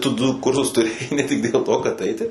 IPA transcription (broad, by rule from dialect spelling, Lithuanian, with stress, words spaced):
ˈtʊ ˈdʊ ˈkʊrsʊs tʊˈrʲeːjɛɪ nʲɛ ˈtʲɪk dʲeːlˠ ˈtoː kɐt ˈɐɪtʲɪ